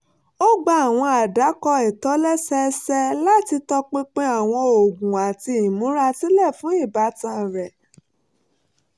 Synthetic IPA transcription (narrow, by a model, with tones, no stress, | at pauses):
o˦ɡ͡ba˦a˨w̃ɔ̃˧a˨da˨˦kɔ˧ɛ˨tɔ˨˦lɛ˦sɛ˧sɛ˧la˦ti˧tɔ˧k͡pe˦k͡pe˦a˦˨w̃ɔ̃˧o˨ɡũ˨a˨ti˧˨mũ˨˦ɾa˧ti˦lɛ˦˨fũ˨˦i˦˨ba˨˦tã˧˨ɾɛ˨